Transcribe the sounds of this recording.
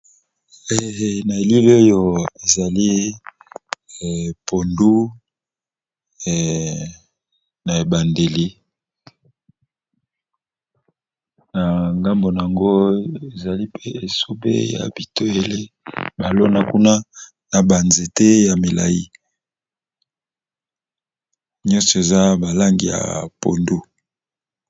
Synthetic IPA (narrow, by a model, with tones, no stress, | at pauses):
e˨na˨e˨li˦lo˦jo˨e˨za˨li˦˨ | pʰo˨ndu˦˨ | na˨e˨ba˨nde˨li˦ | na˨ŋɡa˦mbo˨n˨a˨ŋɡo˦e˨za˨li˦pʰe˦e˨so˦bḛ˦ja̰˨bi˨to˦e˦le˦ | ba˨lo˦na˦ku˦na˦ | na˨ba˨nze˨te˦ja˨me˨la̰˨ji˦ | ɲɔ˦nsɔ˨e˨za˦ba˨la˦ŋɡi˨ja̰˨po˨ndu˦